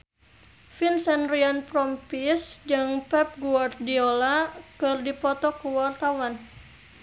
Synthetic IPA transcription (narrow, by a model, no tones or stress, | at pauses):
finsɛnrianpɾɔmpisd͡ʒɨŋpɛp̚ɡuart̪̚diolakɨrdipɔt̪ɔkuwart̪awan